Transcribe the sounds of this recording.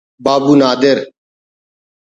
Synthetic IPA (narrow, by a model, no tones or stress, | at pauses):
baːbuːnaːd̪ɪɾ